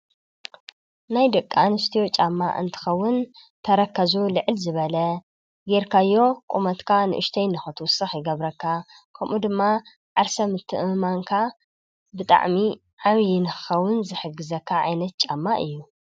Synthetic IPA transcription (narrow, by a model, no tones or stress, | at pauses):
najd̪ɐkʼːanɨst̪ʰijot͡ʃʼamːa̰ʔɨ̰nt̪ʰɨ̥xɐwːʊnt̪ʰɐɾɐkʰːɐzulɨʕɨlzɨβɐlɐ | ɡeɾkʰajːo̞kʼumɐt̪kʰanɨ̰ʔɨʃt̪ʰɐjnɨxɨt̪ʰwʊsɨxjɪɡɐβɾɐkʰːa | kʰɐmʔud̪ɨmːa | ʕaɾsɐmɨt̪ʰːɨʔɨmaŋkʰa | bɨt̪ʼa̰ʕmi | ʕaβjinɨxɨ̥xɐwːʊnzɨħɨɡːɨzɐkʰːaʕa̰jnɐt̪̚t͡ʃʼamːaʔɨ̰jːu